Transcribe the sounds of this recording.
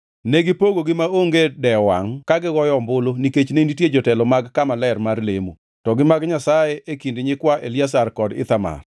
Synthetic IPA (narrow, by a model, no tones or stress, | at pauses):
neɡɪpoɡoɡɪmaoŋɡedɛwa̰ŋkaɡɪɡɔjɔmbʊloniket͡ʃneinitjed͡ʒɔtɛlɔmaɡkamalɛrmarlḛmu | tɔɡɪmaɡɲasajeʔekindɪɲɪkwaʔelias̬arkɔdɪ̰t̪ama̰r